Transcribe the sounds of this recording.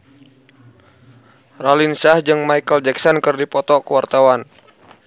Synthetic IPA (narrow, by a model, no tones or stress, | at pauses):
ralinsahd͡ʒɨŋmaikəld͡ʒɛksɔnkɨrdipɔt̪ɔkəwart̪awan